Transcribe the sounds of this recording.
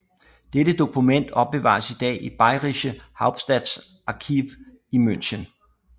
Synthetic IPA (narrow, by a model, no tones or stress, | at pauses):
d̥eɾəd̥o̝kʰumen̰d̥ɒ̽b̥̚b̥e̝ʋɑ̰̈ːsid̥ɛ̰ːib̥ɑ̈ɪʁiɕəhɑ̈ʊb̥sd̥æd̥s | ʔɑ̈kʰiʋ | imøn̰ɕən